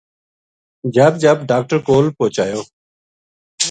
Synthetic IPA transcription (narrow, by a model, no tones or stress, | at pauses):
d͡ʒəːb̚d͡ʒəbɖaːk̚ʈəɾkoːlpoːt͡ʃaːjoː